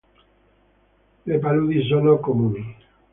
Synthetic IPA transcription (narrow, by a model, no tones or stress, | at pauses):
lepaluðisonokomuni